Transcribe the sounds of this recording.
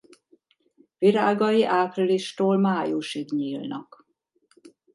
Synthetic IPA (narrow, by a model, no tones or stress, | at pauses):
viɾaːɡɒjiʔaːpriliʃt̪oːlmaːjuʃiɡɲiːlnɒ̰k